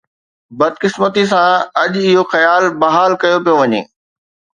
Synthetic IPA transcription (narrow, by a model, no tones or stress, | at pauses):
bɐd̪̚kɪsmət̪is̬ãɐʄɪɦoxɐjaːlbɐɦaːlkɐjopijoʋɐɲḛː